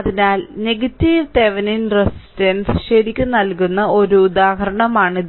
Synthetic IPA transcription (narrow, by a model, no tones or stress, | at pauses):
ɐðinaːlneɡɐtːiʋt̪eʋɐninresi̥tɐnsɕeɾikʲːɨnɐlkunːɐʔo̞ɾuːd̪aːɦɐɾɐɳɐmaːɳið